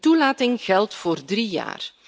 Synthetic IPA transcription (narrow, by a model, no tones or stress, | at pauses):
tulaːtɪŋɣɛlˠtfoːrdrija̰ːr